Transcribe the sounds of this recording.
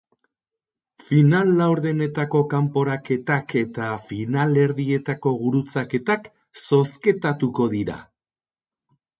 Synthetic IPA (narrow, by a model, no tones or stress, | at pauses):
finalːawɾðene̞t̪ako̞kampo̞ɾake̞t̪akʰe̞t̪afinale̞ɾðie̞t̪ako̞ɣuɾut͡sake̞t̪ak | so̞ske̞t̪at̪uko̞ðiɾa̰